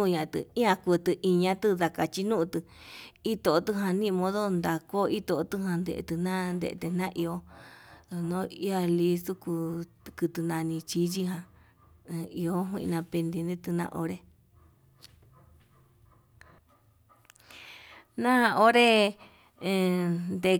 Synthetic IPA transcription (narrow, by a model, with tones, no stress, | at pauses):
ũ˦˧ɲã˨˧t̪ɨ̰˧ĩ˦ã˧ku˧t̪ɨ˧ʔi˧ɲã˧t̪ɨ˦ða˧ka˧t͡ʃi˧nũ˦˧t̪ɨ˧ | i˦t̪o˨˧t̪ɨ˧ɦã˧nĩ˦˧mõ˧ðo˦nd̪a˧ko˦i˦t̪o˧˨˦t̪ɨ˧hã˧nd̪ḛ˧ʔḛ˧t̪ɨ˧nã˦nd̪ḛ˧ʔt̪e˧nã˦ʔi˧o˧˨ | nõ˦i˦a˧li˧˦su˦ku˧ | kɨ˧t̪ɨ˧nã˧nĩ˧t͡ʃi˧˦t͡ʃi˧ɦã˧ | i˧o˦ɦwḭ̃˧nã˧pe˧nd̪i˧nd̪ĩ˦t̪ɨ˧nã̰˧ʔo˧ɾe˦ | nã˦˧o˦ɾẽ˦˧ | nd̪e˧